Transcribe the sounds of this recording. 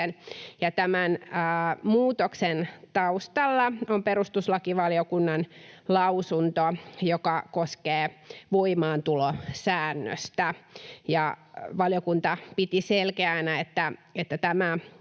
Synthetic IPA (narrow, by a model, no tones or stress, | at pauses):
njɑt̪æmænəːmuːt̪oksent̪ɑust̪ɑlːɑompeɾust̪uslɑkiʋɑljokunːɑnlɑusunt̪ojokɑkoskeːʋoimɑːnt̪ulosæːnːø̰st̪æjɑʋɑljokunt̪ɑpit̪iselkeænæet̪ːæet̪ːæt̪æmæ